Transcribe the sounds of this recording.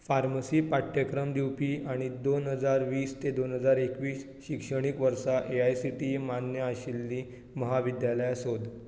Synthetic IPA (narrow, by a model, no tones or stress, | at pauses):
faɾməsiːpaʈʰjəkɾəmd̪iwpiːaɽ̃id̪onɦəd͡zaɾʋiːst̪ed̪onɦəd͡zaɾekʋiːs | ɕikʂəɽ̃ikʋəɾsaʔeajsiʈimanjəaɕilːiː | məɦaʋid̪jaləjasod̪ʱ